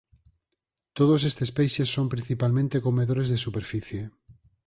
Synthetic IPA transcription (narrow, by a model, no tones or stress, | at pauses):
t̪oð̞os̬est̪espejʃesːompɾĩn̟θipalmẽnt̪ekomeðoɾezðesupeɾfiθje